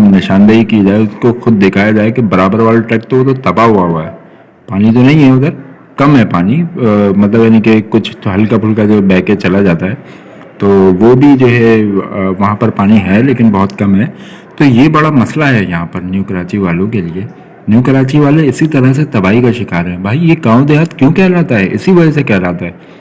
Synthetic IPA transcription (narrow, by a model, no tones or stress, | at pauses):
nɪʃãːnd̪əɦikid͡ʒaːeʊskoxʊd̪̚ːekʰaːjad͡ʒaːekebɐɾaːbəɾʋaːlʈɾɛːk̚t̪oʋot̪ot̪ɐbaɦuaɦuaɦɛ | paːnid͡ʒonɐɦĩɦɛɐɡəɾ | kɐmɦɛpaːnimɐt̪ləbjaːnĩkekʊt͡ʃʰɦɐlkapʰʊlkad͡ʒobɛːket͡ʃɐlad͡ʒaːt̪aɦɛː | t̪oːʋobʱid͡ʒoːɦɛʋɐɦãpɐɾpaːniɦɛleːkɪnbɐɦʊt̪kɐmɦɛː | t̪ojebɐɽamɐslaɦɛjɐɦãpɐɾnjuːkəɾaːt͡ʃiʋaːlõkelie | njuːkəɾaːt͡ʃiʋaːleɪsit̪ɐɾəɦs̬et̪ɐbaːikaʃɪkaːɾɦɛ̃bʱaːijeɡãːʋõd̪eːɦət̪kjõːkɛɦɾaːt̪aɦɛʔɪ̰siʋɐd͡ʒɛsekɛɦɾaːt̪aɦɛː